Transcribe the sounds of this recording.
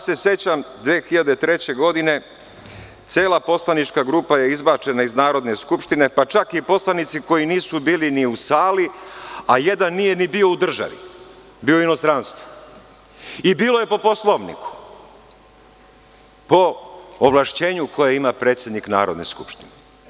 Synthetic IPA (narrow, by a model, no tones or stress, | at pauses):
se̞sje̞t͡ɕamd̪ʋeːxiʎad̪e̞t̪ɾe̞t͡ɕe̞ɡo̞d̪ine̞ | t̪sjeːlapo̞slanit͡ʃkaɡɾupajeizbat͡ʃe̞naiznaːɾo̞d̪ne̞skupʃt̪ine̞pat͡ʃakipo̞slanit̪siko̞jiniːsubiːliniusaːliaje̞d̪anːije̞nibio̞ud̪r̩ʒa̰ʋḭ | biːoino̞st̪ɾanst̪ʋo̥ | ibiːlˠoje̞po̞poslˠoʋnḭku̥ | po̞ːʋlˠaʃt͡ɕe̞ːɲukʰo̞jeimapɾet̪sʲje̞d̪nikna̰ːɾo̞d̪ne̞̰skupʃt̪ine